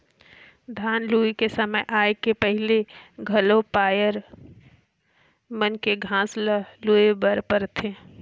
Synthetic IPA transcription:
d̪ʱaːnluːikesəməjʔaːekepəɦɪleɡʱɐlopaːjəɾ | mənkeɡʱãːsləluebəɾpəɾt̪ʰẽː

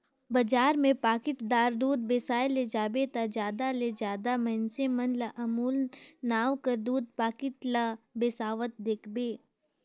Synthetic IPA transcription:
bɐd͡ʒaːɾmẽpaːkɪʈd̪aːɾd̪uːd̪̚beːsaːled͡ʒaːbet̪ad͡ʒjaːd̪aled͡ʒaːd̪amɛnsemənləʔɐmuːlnaːʋkəɾd̪uːd̪̚paːkɪʈlabeːsaːʋət̪̚d̪eːkʰbeː

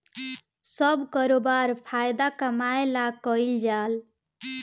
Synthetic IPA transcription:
səbkəɾobaɾpʰajd̪akəmaelakəɪld͡ʒal

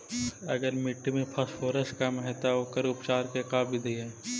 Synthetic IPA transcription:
ɐ̰ɡəɾmɪʈːmẽpʰɐsfoːɾəskɐmɦɛt̪aokəɾʊpt͡ʃaːɾkekaːbʱid̪iɦɛː

